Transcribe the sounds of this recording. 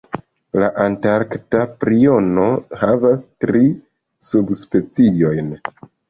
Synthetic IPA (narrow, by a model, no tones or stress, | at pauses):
laʔantaɾktapɾio̞no̞havastɾi | subspe̞t͡sio̞jn